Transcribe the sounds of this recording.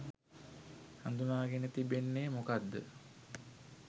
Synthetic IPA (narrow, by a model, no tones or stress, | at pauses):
hand̪unaːɡenət̪ibenːeːmokad̪ːə̰